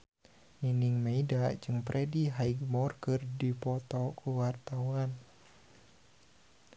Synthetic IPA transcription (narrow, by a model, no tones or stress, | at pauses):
niniŋmaidad͡ʒɨŋpɾɛdiɦaiɡmɔrkərdipɔt̪ɔkʰuwart̪awan